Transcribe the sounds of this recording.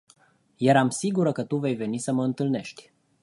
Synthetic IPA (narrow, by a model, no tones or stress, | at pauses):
jaɾamsiɡuɾəkət̪uve̞jve̞nisəməɨnt̪ɨlne̞ʃt̪ʲ